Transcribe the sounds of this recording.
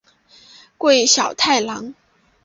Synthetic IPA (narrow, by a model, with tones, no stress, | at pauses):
kwe˥˩ɪɕjɑ˨˩ʊt̪ʰa˥˩ɪlɑ˧˥ŋ